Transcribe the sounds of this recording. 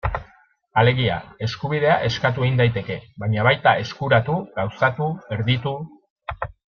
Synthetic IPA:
ale̞ɣia̰e̞skuβiðe̞aʔe̞skat̪̬ueind̪ajt̪e̞ke̞βajɲaβajt̪ae̞skuɾat̪uɣawsat̪ue̞ɾðit̪u

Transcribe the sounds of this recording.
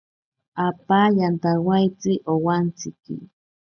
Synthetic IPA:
apajant̪awajt͡sɪʔowant͡sɪkɪ̰

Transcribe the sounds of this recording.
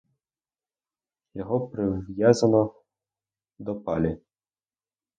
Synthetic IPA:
jɔɦɔpɾɪʋjazɐnɔ | d̪ɔpɑlʲi

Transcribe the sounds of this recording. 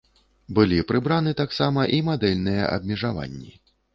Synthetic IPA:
bɨlʲipɾɨbɾanɨt̪aksamɐʔimad̪ɛlʲnɨjɛ̰ʔɐ̰b̚mʲɛʐava̰nʲːi

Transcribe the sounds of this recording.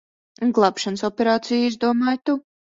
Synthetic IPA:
ɡlˠapʃansɔpʲɛɾaːt̪sijizd̪uɔmaːjt̪u

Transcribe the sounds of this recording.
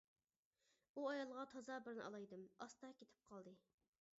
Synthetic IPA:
uɑjɑlˠʁɑt̪ʰɑzɑbɪɾnɪ̰ʔɑ̰lˠɑjd̪ɨmɑst̪ɑkʲʰet̪ʰɪ̥p̚qʰɑlˠd̪ɨ

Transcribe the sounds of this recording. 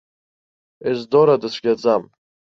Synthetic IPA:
ezd̪oɾadɨsʷʰɡʲad͡zam

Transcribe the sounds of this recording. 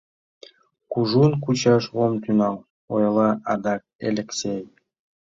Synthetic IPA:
kuʒunkut͡ɕɑʃʁomt̪ynɑlˠ | ojɑlˠɑʔɑd̪ɑk̚elʲeksʲej

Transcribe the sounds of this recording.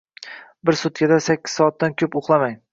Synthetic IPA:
bɪɾsʊt̪̚kʲʰad̪asakʲːɪ̥zɒːt̪̚ːankʲʰɵpoχlˠamaŋ

